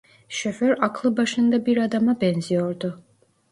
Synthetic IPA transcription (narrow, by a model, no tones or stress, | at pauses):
ʃɛħɛɾakʰlˠɨbaʃɐnd̪abiɾad̪amabɛnziɔɾd̪ɔ